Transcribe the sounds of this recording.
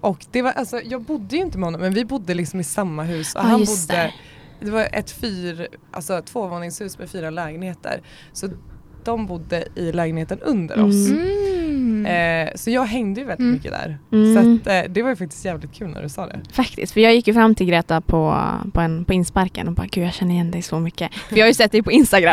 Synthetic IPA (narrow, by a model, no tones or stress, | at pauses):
ʔɔkd̪ɛvaʔalsɔjɑːɡbʊd̪ːəjɵɪnt̪əmɛhɔnːɔmːɛnvɪbʊd̪ːəlɪksɔmɪsamːaɦʉ̟ːsɔ̰hanbʊd̪ːə | d̪ɛvajʔɛ̰t̪fyːɾʔa̰lsɔt̪ʰvoːvoːnɪŋshʉ̟ːsmɛfyːɾalɛːɡənheːt̪ʰə̰ɾ | sɔ | d̪̥ɔmbʊd̪ːəɪlɛːɡənheːt̪ənɵ̰nd̪ə̰ɾɔ̰s | sɔjɑːɡɦɛŋd̪əjɵvɛld̪ɪt̪mʏkːəd̪æ̰ɾsat̪d̪ɛvajʏfak̚t̪ɪ̥st̪jæːvlɪt̪̚kʰʉːlnæ̰ɖɵsɑːd̪ɛ̰fakt̪ɪ̰st̪fœɾjɑːɡjɪkːjɵfɾamːt̪ʰɪlɡɾeːt̪apʰɔpʰɔɛnpʰɔɪnspaɾkə̰nɔbɑ̰ːɡ̥ʉ̟ːjɑːɡɕɛnːəɾɪjɛnd̪ɛjsɔmʏkːəvɪhajʏsɛt̪̚ːd̪ɛjpʰɔɪnst̪aɡɾam